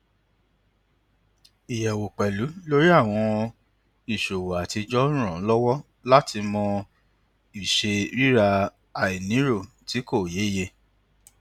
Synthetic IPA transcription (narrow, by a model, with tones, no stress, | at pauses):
i˨jɛ˨wo˨k͡pɛ˨lu˨˦lo˦ɾi˦a˦˨w̃ɔ̃˧ | i˨ʃo˨wo˨a˨ti˧d͡ʒɔ˦ɾ̃ũ˦ɾ̃ɔ̃˨˦lɔ˦wɔ˦ | la˦tʰi˧mɔ̃˧ | i˨ʃe˧ɾi˦ɾa˧ | a˨i˨nĩ˨˦ɾo˦˨ | ti˨˦ko˦˨je˨˦˨je˧